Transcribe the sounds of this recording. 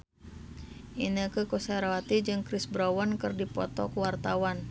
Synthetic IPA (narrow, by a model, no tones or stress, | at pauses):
ʔinəkəkosaɾawat̪id͡ʒɨŋkɾɪsbɾawɔnkɨrdipɔ̰t̪ɔkəwart̪awan